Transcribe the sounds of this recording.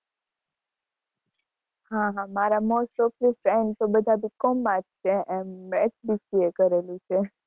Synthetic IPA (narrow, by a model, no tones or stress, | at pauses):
hãɦãmaɾamosʈoflifɾeɳɖt̪obəd̪ʱabikomːad͡ʒt͡ʃʰeɛmːɛt͡ʃbisiekəɾelũt͡ʃʰe